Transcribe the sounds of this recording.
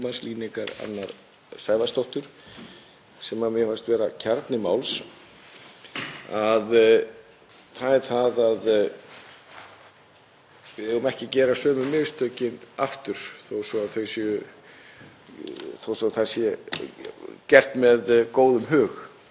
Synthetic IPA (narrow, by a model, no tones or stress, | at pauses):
mansliːniŋkaɾa̰nːaɾ | saːjvast̪owht̪ʏɾ̥ | sɛmamjɛhast̪vɛːɾacʰaɾt̪nɪmawls | að | θaðɛɾ̥θaðað | vɪðɛɣʏmɛhcɪcɛːɾasœːmʏmɪðst̪œːcɪnaft̪ʏɾ̥θowsɔaðθœɥsʏ | θowsɔθasjɛ | cɛr̥t̪mɛðkoːwðʏmɦʏːx